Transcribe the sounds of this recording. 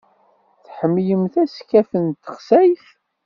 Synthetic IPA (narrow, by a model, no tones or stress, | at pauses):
θħəmːjəmθæskːæfənt̪ːə̥χsæjθ